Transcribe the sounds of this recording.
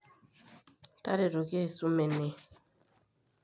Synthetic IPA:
ta˦ɾe˨ɾo˨ke˦˨su˦me˨ne˨

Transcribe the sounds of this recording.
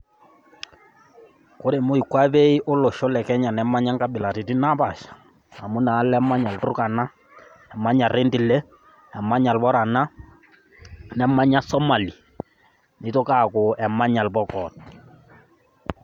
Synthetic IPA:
ko˦ɾe˨mo˦i˨kwa˦be˦i˦ʔo˦lɔ˨ʃɔ˦lɛ˨kɛ˦ɲa˨nɛ˨˦ma˦ɲa˦ŋka˦bɪ˨la˨ti˨ti˦na˦pa˨ʃḁ˨ | a˨mu˦naː˨˦lɛ˦ma˦ɲa˨ltu˦ka˨na˦ | ɛ˨ma˦ɲa˨ɾe˦ndi˨lɛ˦ | ɛ˨ma˦ɲa˨lbɔ˦ɾa˨na˦ | nɛ˨ma˦ɲa˦sɔ˦ma˨li˨ | nɪ˨˦to˦ka˦˨ko˨ɛ˨ma˦ɲa˨lbɔ˦kɔ˨t̚

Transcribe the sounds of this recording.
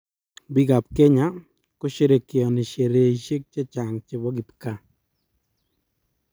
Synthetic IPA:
bi˦ɡa˨p̚ke˦ɲa˦ | kʊ˦ʃe˦ɾe˨kɪ˨ɔ˨nɪ˨ʃe˨ɾe˨i˦ʃe˦k̚t͡ʃe˦t͡ʃa˨ŋt͡ʃe˨bɔ˦ɡi˨pka˨

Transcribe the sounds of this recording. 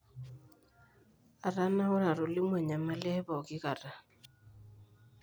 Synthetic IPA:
a˨ɾa˦na˦ʊ˦ɾa˨ɾʊ˨lɪ˦mwɛ˨ɲa˨ma˦lɛ˦βɔ˨kɪ˦ka˨ra˨

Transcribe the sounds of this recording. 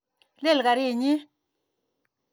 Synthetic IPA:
le˦˨lka˨ɾi˦˨ɲi˦

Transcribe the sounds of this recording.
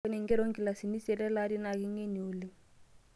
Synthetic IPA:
e˦ni˨ŋ˦ɡɛ˦ɾo˦ŋki˨la˨si˨ni˦sɛ˨ɾɛ˦la˦ɾi˦na˨ki˦ŋe˦ni˨u˨li˦

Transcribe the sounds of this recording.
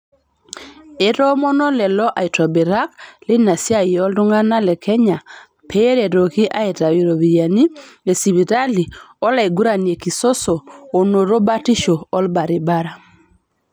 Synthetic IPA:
e˦ɾɔ˦mɔ˦nɔ˦lɛ˨lɔ˦ʔa˨i˨tɔ˨be˨ɾa˦k̚le˦na˨sja˦˨jɔ˦ldʊ˦ŋa˦na˦lɛ˨kʰɛ˦ɲa˨ | pʰe˦ɾɛ˨ɾo˨ki˦ʔa˦e˨ta˨wi˨ɾo˨βi˨ja˨ni˦le˨si˨βi˨ɾa˦li˨ɔ˦la˨e˨ɡu˦ɾa˨nie˨ki˨so˦soː˨no˨ɾo˦ba˦ti˦ʃoː˨˦lba˨ɾi˨ba˦ɾa˨

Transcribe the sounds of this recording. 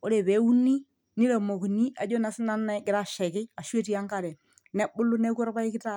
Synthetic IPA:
o˦ɾe˨bɛ˨˦u˦ni˦ | nɪ˦lɛ˨mo˨ku˨ni˦a˨d͡ʒɔ˦na˨˦sɪ˦na˦nːa˦ɡɪ˨ɾa˨ʃɛ˨kɪ˦a˨ʃwe˦ti˦a˦ŋka˨ɾɛ˨ | nɛ˦bʊ˦lʊ˦nɛ˦ku˦ɔ˦ɾpa˦ɪ˦kɪ˦ta˦˨

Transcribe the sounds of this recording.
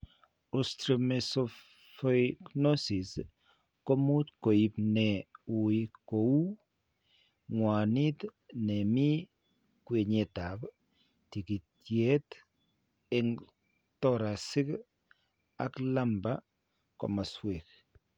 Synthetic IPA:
ɔstɾimɛsɔ | fɔkno˦si˨s | ko˦mu˦tko˨ipnɛu˨iko˨u˦ | ŋwa˨ni˦tnɛmi˦ | kwe˨ɲe˨ta˨p | ti˨ki˨tje˦t | ɛŋ | tɔɾa˨sɪ˦k | a̰˨kla˦mba | kɔ̰˨ma˨swe˨k̚

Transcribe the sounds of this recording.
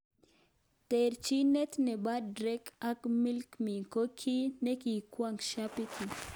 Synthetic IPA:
t̪e˨ɾt͡ʃi˦ne˦t̪ne˨ba˦dɾe˦ka˦kmi˦lkmi˨ko˦kʰi˦ne˦ki˨kwʷaŋkʃapi˦kʰi˨

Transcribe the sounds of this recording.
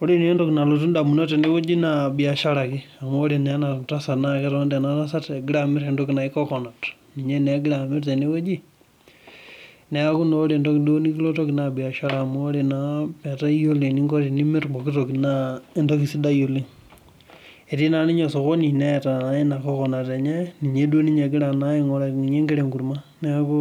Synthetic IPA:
o˦ɾi˦ne˦ndo˦kna˨lot̬u˦nda˨mu˨no˦te˨ne˦we˦d͡ʒi˦nabi˨a˨ʃa˦ɾa˨ki˦a˨mo˦ɾi˨nɛ˨˦na˨ta˦sa˨nakɛ˦ɾɔnde˨na˦ta˦s̬a˦te˨ɡi˦ɾa˨mɪ˦ɾendoki˨na˨i˦kɔ˦kɔ˨na˨t | ni˨ɲe˦ne˨˦ɡi˦ɾami˦ɾte˨ne˦we˦d͡ʒi˦ | nɛ˦a˦ku˦noː˦ɾe˨ndo˦kidoni˦ki˦lo˦to˦ki˨na˨bi˨a˨ʃa˦ɾaː˨moɾi˨napa˨ta˦jo˦li˨ni˦ŋɡo˦ɾi˨ni˦mɪ˦ɾɡ͡bɔ˨ki˦to˨ki˨na˦˨ndo˦ki˨si˦da˦jo˨li˦ŋ | e˨ti˦na˨ni˦ɲo˨so˨ko˦ni˨nɛ˦˨ta˨˦i˦na˨kɔ˦kɔ˨na˨te˨ɲɛ˦ni˨ɲe˦do˦ni˦ɲe˨ɡi˦ɾa˨na˦i˨ŋɔ˦ɾa˨ni˨ɲe˦ŋɡe˦ɾe˨ŋɡu˨ɾma˦ | nɛ˦ku˦

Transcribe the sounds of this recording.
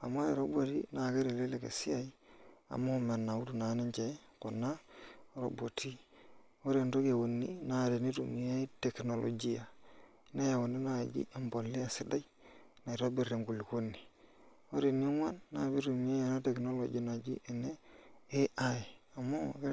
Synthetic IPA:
a˨m˦ɾe˨ɾo˦bo˨tḭ˦na˨ke˦ɾe˨le˦le˨kḛ˨si˦a˨i˦a̰˨mo˦˨me˨na˨u˦tu˨na˨˦ne˦ɲt͡ʃe˨˦ko˨na˦ɾo̰˨bo˨ti˦ | o˦ɾe˨ndo˦ke˨wu˨nːi˦na˨ɾe˨ni˦ɾu˨mi˦a˦i˦te˨kno˨lo̰˨d͡ʒi˦a˨˦ | na˦ja˨wo˨ndi˦na˦˨d͡ʒḭ˦a˨mbo˨lːi˦a˨sɪ˦da˦j | na˨i˨ɾo˦bi˨ɾe˨ŋɡu˨li˨ko˦nːi˨ | o˦ɾe˨ni˦o˦ŋʷa˦nːa˨bi˦ɾu˨m˦e˦e˨na˦te˨kno˦lo̰˨d͡ʒa˦na˨d͡ʒḭ˦ʔe˨ne˦e˦ʔa˦e˨a˨mo˦ke˦

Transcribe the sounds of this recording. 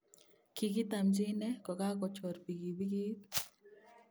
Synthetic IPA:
ki˨ɡi˦t̪a˨md͡ʒi˦nɛ˦kɔ˨ka˦kɔ˨t͡ʃɔ˨ɾpi˨ɡi˨bi˦ɡi˦t̪

